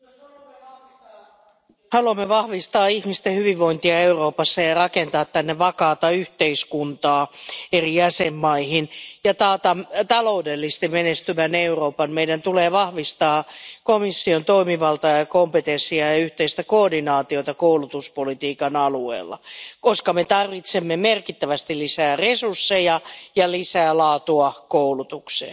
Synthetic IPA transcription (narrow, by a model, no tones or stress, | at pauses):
hɑluɑmːeʋɑhʋist̪ɑːihmist̪ehyʋiʋʋoint̪iɑeuroːpɑsːɑjɑrɑkent̪ɑːt̪tænːeʋɑkɑːt̪ɑyht̪eiskunt̪ɑːeriæsemːɑihinjɑt̪ɑːt̪ɑmt̪ɑloudelːist̪imenest̪yʋæneuroːpɑnmeidænt̪uleːʋɑhʋist̪ɑːkomisːiont̪oimiʋɑlt̪ɑjɑkompet̪ensiɑjɑyht̪eist̪ækoːdinɑːt̪iot̪ɑkoulut̪uspolit̪iːkɑnɑluḛːlːɑ̰koskɑmet̪ɑrʋit̪semːemerkit̪ːæʋæst̪ilisæːresursːejɑjɑlisæːlɑːt̪uɑkoulut̪uksḛː